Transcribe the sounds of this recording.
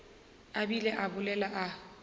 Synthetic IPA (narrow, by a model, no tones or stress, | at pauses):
abilɛʔabʊlɛlaʔa